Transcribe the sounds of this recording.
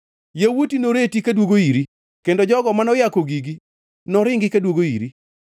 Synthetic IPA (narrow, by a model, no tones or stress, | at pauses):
jewutinoɾetikadwoɡoiɾi | kendod͡ʒɔɡɔmanɔjakoɡiɡi | nɔɾɪŋɡɪkadwoɡoḭɾi